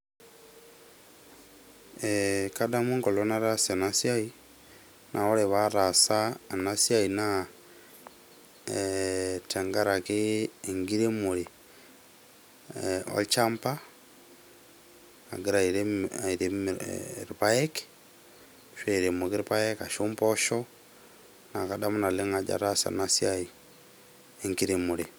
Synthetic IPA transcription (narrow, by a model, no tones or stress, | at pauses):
ekadamuŋkolonaɾasenasiai | nʔaoleβaɾasaenasiaina | tʰeŋɡaɾakiŋɡiɾemuli | o̰lt͡ʃampa | a̰ɡeɾaiɾeaiɾemɾipaek | ʃweiɾemukiɾpaekaʃumpɔʃɔ | nakadamunaleŋad͡ʒa̰ɾasa̰nasiai | eŋɡiɾemule